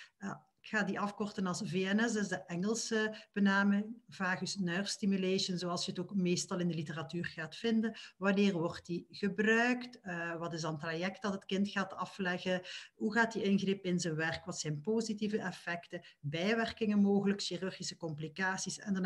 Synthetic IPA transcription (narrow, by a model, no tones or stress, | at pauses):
aɪkxaːdiʔɑfkɔrtənɑlˠsveɛnɛsɪzdəʔɛŋəlˠsəb̥ənaːmɪŋvaːxʏsnœwrstimyleːʃənzoːɑlˠsjəətoːkmeːstɑlˠɪndəlitəratyːrɣaːtfɪndənʋɑnɪːrʋɔrtdiɣəbrœɥktʋɑtɪzdɑntrajɛkt̚d̥ɑtɦətkɪntxaːtɑflɛɣəɦuɣaːt̚diʔɪnɣrɪpɪnzənʋɛrkʋɑtsɛjnpozitivəʔɛfɛktəbɛjʋɛrkɪŋənmoːɣələkʃiryrɣisə̥kɔmplikaːsisɛ̰ndn